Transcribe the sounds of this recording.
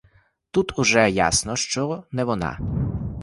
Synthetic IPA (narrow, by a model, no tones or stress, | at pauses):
t̪ut̪ʰʊʒɛja̰snɔʃt͡ʃɔnɛʋɔnɑ̰